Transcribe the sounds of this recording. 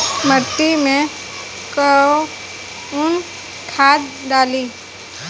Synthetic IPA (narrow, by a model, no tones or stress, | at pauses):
məɾt̪ːimẽ | kəo | ʊn | kʰaːd̪ɖaːliː